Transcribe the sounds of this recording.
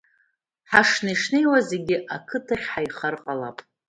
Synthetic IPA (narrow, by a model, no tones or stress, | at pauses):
ħaʂnijʂnejwaze̞ɡʲɪʔakʰɨtʰaχʲħajχərqʼala̰pʼ